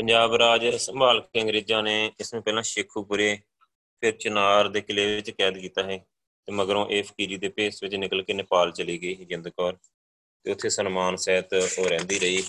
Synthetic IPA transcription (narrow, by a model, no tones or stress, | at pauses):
pəɲd͡ʒaːbɾaːd͡ʒsəmbaːlkkeəŋɡɾeːd͡ʒãːneːɪsmẽːpɛːlãːʃɪkʰːuːpʊɾeː | pʰɪɾt͡ʃənaːɾd̪eːkɪleːʋɪt͡ʃkɛːd̪kiːt̪aːɦeː | t̪eːməɡəɾõːʔeːpʰə̥kiːɾiːd̪eːpeːsʋɪt͡ʃnɪkəlkeːnɪpaːlt͡ʃəliːɡəiːd͡ʒɪnd̪kɔːɾ | t̪eːʊt̪ʰːeːsənmaːnsɛːt̪oːɾɛ̃ːnd̪iːɾəiː